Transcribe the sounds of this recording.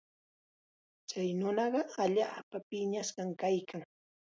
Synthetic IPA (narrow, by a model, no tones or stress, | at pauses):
t͡ʃajnʊnɑɢɑaʎaːpapɪɲasɢɑŋkajkʰaŋ